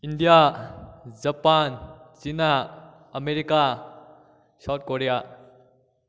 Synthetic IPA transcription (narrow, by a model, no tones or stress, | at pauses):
indija | zɐpanzinaː | meɾika | sawt̚koɾija